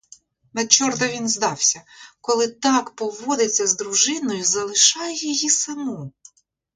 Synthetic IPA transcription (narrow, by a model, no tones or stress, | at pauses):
nɐt͡ʃːɔrt̪ɐʋʲinzd̪ɑwsʲɐkɔlˠɪt̪ɑkpɔʋɔd̪ɪt͡sʲːɐzd̪ɾʊʒɪnɔjʊzɐlˠɪʃɑjɛjɔjisɐmu